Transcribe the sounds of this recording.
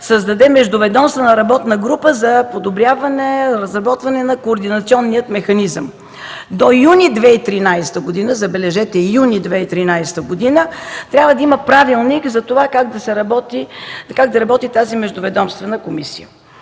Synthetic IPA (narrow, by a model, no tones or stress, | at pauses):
səzd̪ɐd̪ɛmɛʒd̪ʊvɛd̪ɔmst̪vənəɾɐbɔt̪nəɡɾupəzɐpod̪obɾʲjavɐnɛɾɐzɾɐbɔt̪vɐnɛnɐkoːɾd̪inɐt̪siɔnːiət̪mɛxɐnizəm | d̪ojunʲid̪vɛit̪ɾinajst̪əɡod̪inəzɐbɛlɛʒɛt̪ɛjunʲid̪vɛit̪ɾinajst̪əɡod̪inət̪ɾʲabvəd̪ɐiməpɾavilˠnikzɐt̪ovakaɡd̪ɐsɛɾɐbɔt̪ikaɡ̚d̪ɐɾɐbɔt̪it̪azimɛʒd̪ʊvɛd̪ɔmst̪vɛnəkomisijə̰